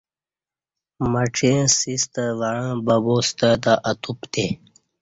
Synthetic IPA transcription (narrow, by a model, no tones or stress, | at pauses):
məʈ͡ʂʰẽsist̪əʋaɻãːbəboːst̪ət̪aʔɐt̪upt̪e